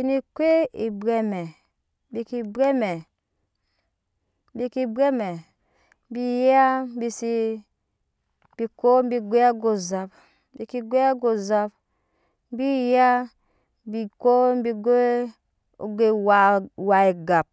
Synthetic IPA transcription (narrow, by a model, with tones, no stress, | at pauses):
i˨ni˨kʷe˦i˨bɾe˦me˨ | bi˨ki˨be˦me˨˦ | bi˦ki˨be˦me˨˦ | bi˦ja˦bi˦si˦ | bi˨ko˦m˦bi˨ɡʷe˦a˦ɡo˨za˨b | bi˨ki˨ɡʷe˦a˦ɡo˨za˦b̚ | bi˦ja˦ | bi˨ko˦bi˨ɡe˦ | o˨ɡe˦wa˨wa˨i˨ɡa˨p̚